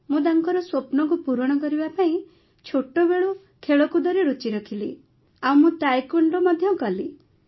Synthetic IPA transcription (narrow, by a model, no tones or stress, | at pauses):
mũd̪aŋkɔɾɔswopnɔŋk̬upuɾɔɽ̃ɔkɔɾibapaĩ | t͡ʃʰoʈobeɭu | kʰeɭɔkud̪ɔɾeɾut͡ʃiɾɔkʰili | aw̃mũt̪ajkuɳɖɾɔmɔd̪ʱjɔɡɔli